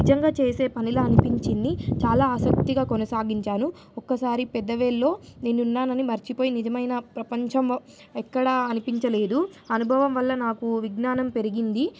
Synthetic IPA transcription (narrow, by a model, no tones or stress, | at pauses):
id͡ʒɐŋɡaːt͡ʃe̞ːse̞ːpɐnilɐɐnipiɲt͡ʃind̪it͡ʃaːlaːɐsɐk̚t̪iɡaːkonɐsaːɡiɲt͡ʃaːnu | ɔkːɐsaːɾipɛd̪ːɐʋeːlːo̞ːne̞ːnunːaːnɐnimɐɾt͡ʃipoːjinid͡ʒɐmɐjnɐpɾɐpɐɲt͡ʃɐm | ɛkːɐɽɐɐnipiɲt͡ʃɐle̞ːd̪uɐnubʱɐʋɐmʋɐlːɐnaːkuʋiɡnaːnɐmpe̞ɾiɡind̪i